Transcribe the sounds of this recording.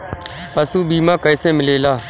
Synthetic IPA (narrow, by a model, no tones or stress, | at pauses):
pəsuːbiːmãːkəɪsẽːmɪleːlaː